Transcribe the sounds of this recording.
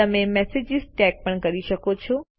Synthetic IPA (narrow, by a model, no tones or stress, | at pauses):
əmẽmɛsed͡ʒɪzʈɛk̚pəɳkəɾiʃəkot͡ʃʰo